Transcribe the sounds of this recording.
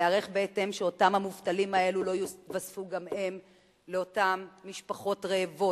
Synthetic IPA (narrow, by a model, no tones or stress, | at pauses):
eaʁeχbeetemʃeo̞tamhamuvtalimae̞lulo̞juvasfuɡamhe̞m | leo̞tamːiʃpaχo̞tʁeːvo̞